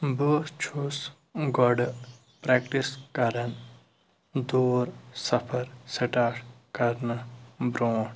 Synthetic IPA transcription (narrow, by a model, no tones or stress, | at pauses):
boːst͡ʃʰus | ɡɔɖ | pɾeːkʈiskɐɾɐn | d̪uːɾsɐpʰɐɾsɐʈaːʂ | kɐɾnɐbɾõːɳ